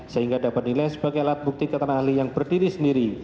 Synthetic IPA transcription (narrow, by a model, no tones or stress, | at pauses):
səɦiŋɡadapat̪̚nilajsəbaɡajalat̪̚buk̚t̪ikət̪ənaahlijaŋbərdiɾisəndiɾi